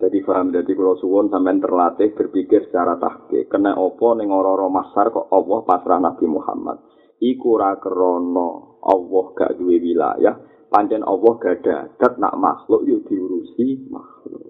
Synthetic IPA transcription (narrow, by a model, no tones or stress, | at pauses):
d͡ʒ̥ad̪̥ib̥aɦəmd̪̥ad̪ikulɔsuwʊnsamɛnt̪ərlat̪ɪhb̥ərpikɪrsə̥t͡ʃaɾat̪a̰hkɪ̰kənɛʔɔpɔnɪŋɔɾɔɾɔmasarkɔʔɔwɔhpasɾahnab̥i̤muha̰ma̰t̪̚ | ikuɾakəɾɔnɔ | ʔɔ̰wɔhɡ̥a̰ʔd̥uwewila̰ja̰h | paɲt͡ʃɛnʔɔ̰wɔhɡ̥a̤ɖ̪̥a̤̰d̪̥a̤t̪̚na̰ʔma̰xlʊʔjʊʔd̪̥i̤uɾusima̰xlʊ̰ʔʔ